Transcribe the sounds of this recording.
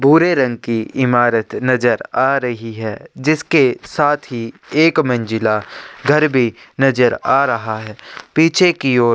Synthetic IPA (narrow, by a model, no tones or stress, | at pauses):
bʱuːɾeɾɐ̃ŋɡ̚kiɪmaːɾət̪nɐzəɾaːɾɐɦiɦɛːd͡ʒɪskesaːt̪ʰɦieːkmɐ̃nd͡ʒɪlaɡʱɐɾbʱinɐd͡ʒəɾaːɾɐɦaɦɛːpiːt͡ʃʰekioːɾ